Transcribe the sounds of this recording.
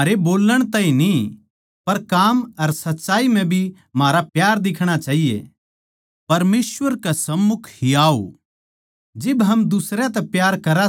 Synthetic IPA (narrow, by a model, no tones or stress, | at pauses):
aːɾeboːlːəɽ̃t̪ãːĩni | pɐɾkaːmɐɾsɐtːʃaːim̤ɛ̃bʱi | maːɾapjaːɾd̪ɪkʰɽ̃at͡ʃaːɦijḛ | pɐɾmeːswʋəɾkasɐmːʊkʰhiaːo̰ | d͡ʒɪbɦɐmd̪ʊsɾjat̪ɛpjaːɾkɐɾa